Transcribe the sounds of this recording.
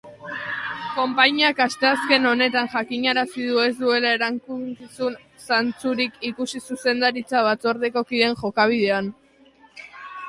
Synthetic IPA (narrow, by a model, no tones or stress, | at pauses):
ko̞mpaɲiakast̪e̞aske̞no̞ne̞t̪anʝakiɲaɾasiðue̞zd̪ue̞lae̞ɾaŋkut͡sisun | sant͡suɾikikusisuse̞nd̪aɾit͡saβat͡so̞ɾðeko̞kiðe̞ŋʝo̞kaβ̞iðe̞an